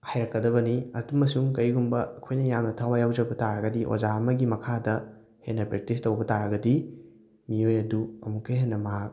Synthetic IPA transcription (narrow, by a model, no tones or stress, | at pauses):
hajɾɐkːɐdɐβɐniɐtumɐsuŋkɐjɡumbɐɐkʰojnɐjamnɐtʰawajawzɐbɐtaɾɐɡɐdiʔo̰zaɐmɐɡimɐkʰadɐ | henːɐpɾek̚tistɐwbɐtaɾɐɡɐdi | miojɐduɐ̰mukːɐjɦenːɐmɐɦak̚